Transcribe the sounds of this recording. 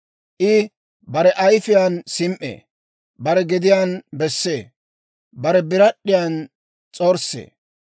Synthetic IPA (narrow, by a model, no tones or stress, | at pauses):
ʔɪ | bɐɾɛʔɐjfɪjansɪmʔḛː | bɐɾɛɡɛd̪ɪjanbɛsːeː | bɐɾɛbɪɾɐɗːɪjan | t͡sʼoːɾsːḛː